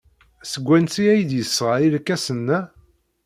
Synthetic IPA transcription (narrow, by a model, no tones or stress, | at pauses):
səɡʷːænt͡siæjd̪jəsːʁailkːæsənːæ